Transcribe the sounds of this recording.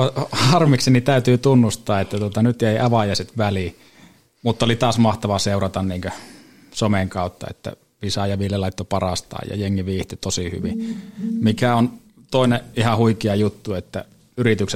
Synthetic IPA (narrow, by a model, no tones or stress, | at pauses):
ɑhɑrmiksinit̪æˑyt̪yːt̪unːust̪ˑɑːet̪ːæt̪uot̪ɑnyt̪jeˑiʔɑʋɑjɑˑset̪ʋæli | mut̪ːɑolit̪ɑːsmɑht̪ɑʋɑseˑurɑt̪ɑnniːŋkø | someŋkɑˑut̪ːɑ̰ḛt̪ːæ̰ | pisɑjɑʋiljelɑˑit̪ːopɑrɑst̪ɑ̰ːjjɑ̰jeŋːiʋiːht̪et̪osihy̰ʋimikæon | t̪oˑineʔihɑhuikiɑjut̪ːuet̪ːæ̰ | yrit̪yks